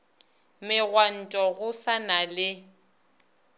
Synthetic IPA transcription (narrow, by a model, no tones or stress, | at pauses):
mɪɣwan̩tʼɔɣʊsanalɪ